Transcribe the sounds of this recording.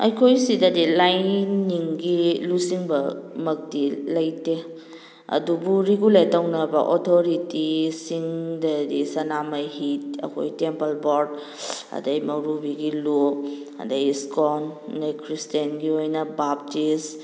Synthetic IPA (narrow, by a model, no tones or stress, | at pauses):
ɐ̰jkʰojsidɐdilajnniŋɡilusiŋbɐmɐk̚dilɐjte | ɐ̰dubuɾiɡuletɐwnɐbɐ̰ʔotʰoɾitisiŋdɐdisɐnamajɦit̚ɐ̰kʰo̰jtempɐlboɾd | ɐ̰dɐjmɐɾubiɡilu | ɐ̰dɐjskondɐjkʰɾistenɡiojnɐbap̚tis